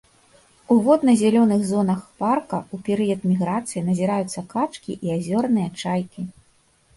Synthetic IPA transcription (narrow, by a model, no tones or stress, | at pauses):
uvɔd̪nɐzʲɛlʲɔnɨɣzɔnɐxparkɐupʲɛɾɨjɐt̪mʲiɣɾat̪sɨjinɐzʲiɾajut̪sːɐkat͡ʂkʲḭʔiazʲɔrnɨjɐt͡ʂajkʲi